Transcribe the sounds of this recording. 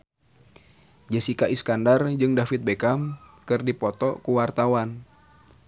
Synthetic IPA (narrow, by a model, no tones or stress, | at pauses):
d͡ʒɛsikaʔiskandard͡ʒɨŋdafit̪̚bɛkamkɨrdipɔt̪ɔkuwart̪awan